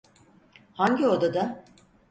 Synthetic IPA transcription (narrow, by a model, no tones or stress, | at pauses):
haɲɟiod̪ad̪a